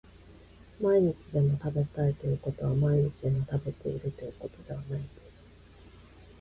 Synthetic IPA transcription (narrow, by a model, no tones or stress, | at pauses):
maiɲ̟it͡sid̪e̞mo̞t̪abe̞t̪ait̪o̞jɯ̟ko̞t̪o̞β̞amaiɲ̟it͡ɕid̪e̞mo̞t̪abe̞t̪e̞ḭɾɯ̟t̪o̞jɯ̟kot̪o̞d̪e̞β̞anaind̪̥e̞sɨ̥